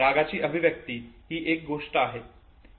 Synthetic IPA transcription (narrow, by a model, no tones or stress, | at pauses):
aɡat͡ɕiːʔəbʱiʋjək̚t̪iɦiːʔek̚ɡoʂʈəaɦe